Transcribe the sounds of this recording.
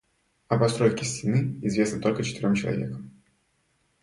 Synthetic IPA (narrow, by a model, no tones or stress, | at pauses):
ɐpɐst̪ɾojkʲɪsʲtʲɪnɨɪzvʲe̞snət̪o̞lʲkət͡ɕɪ̥t̪ɪɾʲomt͡ɕɪlˠɐ̰vʲe̞̰kəm